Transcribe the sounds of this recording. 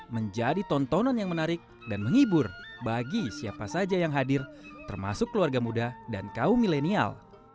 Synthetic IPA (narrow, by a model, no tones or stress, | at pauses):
məɲd͡ʒadit̪ɔnt̪ɔnɔnjaŋmənaɾɪk̚ | danməŋibʊrbaɡisiapasad͡ʒajaŋɦadɪrt̪ərma̰sʊkːəluarɡamudadankaumilenia̰l